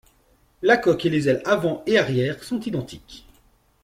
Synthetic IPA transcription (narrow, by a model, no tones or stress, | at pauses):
lakɔkelezɛlavɑ̃eaʁjɛːʁsɔ̃t̪id̪ɑ̃t̪ʰik